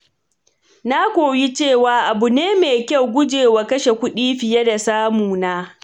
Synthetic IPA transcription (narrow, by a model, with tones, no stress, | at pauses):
na˦kʷoː˨wji˦t͡ʃeː˦˨waː˨ʔa˨bu˨neː˦meː˨kʲa˦˨wɡʷʊ˦d͡ʒeː˨wa˨kɐ˦ʃe˨kʷʊ˦ɗiː˦ɸɪ˨jɐ˦da˨saː˦muː˨naː˦